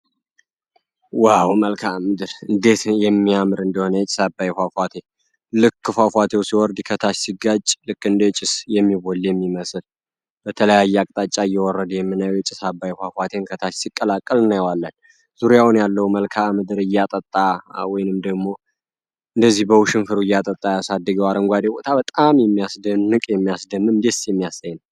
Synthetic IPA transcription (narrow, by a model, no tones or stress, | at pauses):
wawməlkʰamɨd̪ɨɾɨnd̪e̞t̪jɛmːiamɨɾɨnd̪əho̞nəjɛt͡ʃʼɪ̥sabːajfafat̪ʰe̞ | lɨkːɨfafʷat̪ʰe̞wsiwɔɾd̪kʰət̪ʰat͡ʃsiɡat͡ʃʼlɨkːɨnd̪et͡ʃʼɪsjɛmːiβolːjɛmːiməsɨl | bət̪ʰələjajːɛakʼt̪ʼat͡ʃʼːaɨjːɛwɔrːəd̪jɛmːɨnajwjɛt͡ʃʼɪsabːajfafwat̪ʰe̞nkʰət̪ʰat͡ʃsikʼːəlakʼːəlɨnjɛwalːən | z̥uɾjawnjalːəwməlkʰamɨd̪ɨɾɨjːat̪ʼət̪ʼːawɔjnɨmd̪əɡmo̞ | ɨnd̪əzːihbəwuʃɪnfɨɾuɨjːat̪ʼət̪ʼːajasad̪ːɨɡəwaɾəŋɡʷad̪ebo̞t̪ʰabət̪ʼamjɛmːijasd̪ənːɨkʼjɛmːijasd̪əmɨmd̪esjɛmːijasajːnw